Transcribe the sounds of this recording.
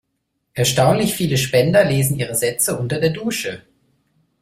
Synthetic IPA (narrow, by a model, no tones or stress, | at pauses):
ʔɛɐʃtaʊnlɪçfiːləʃpɛndɐleːzn̩ʔiːʁ̞əzɛt͡səʔʊntɐdeːɐduːʃə